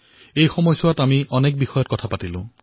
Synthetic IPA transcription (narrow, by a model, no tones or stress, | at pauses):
ejxɔmɔjsɔwatamiʔɔnek̚bixɔjɔtkɔtʰapatilṵ̃